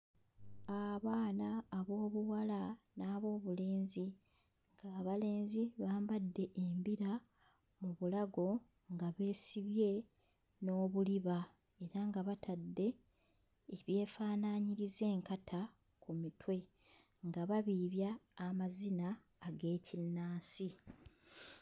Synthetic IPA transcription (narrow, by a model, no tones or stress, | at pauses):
aβaːnaːβo̞ːβuwalanaːβo̞ːβule̞ːnzi | ŋɡaːβale̞ːnziβaːmbadːe̞ʔembiɾa | muβulaɡo̞ | ŋɡaβe̞ːsiβje̞ | no̞ːβuliβa | e̞ɾaŋɡaβatʰadːe̞ː | βje̞ːfaːnaɲiɾize̞ːŋkatʰa | kumitwe̞ | ŋɡaβaβiːβjaːmazinaː | ɡe̞ːcinːaːsi